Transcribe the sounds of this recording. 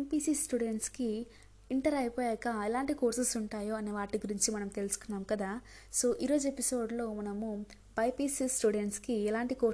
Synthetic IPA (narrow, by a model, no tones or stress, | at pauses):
mpiːsisʈuɽeɳʈski | iɳʈɐɾɐjpɔːjɛːkɐɛlaːɳʈikoːɾsɐsuɳʈaːjoːɐneːʋaːʈiɡuɾiɲt͡ʃimɐnɐmt̪e̞lusu̥kunːaːmkɐd̪aː | so̞ːʔiːɾo̞ːd͡ʒuepiso̞ːɖlo̞ːmɐnɐmu | pɐjpiːsisʈuːɖeɳʈskiɛlaːɳʈikoː